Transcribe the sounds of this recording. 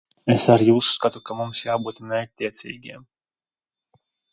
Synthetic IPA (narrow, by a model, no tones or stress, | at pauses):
esaɾjuːsːkat̪ukamumsjaːbuːt̪nɛat̪ʲːiɛt̪sʲḭːɡʲiɛm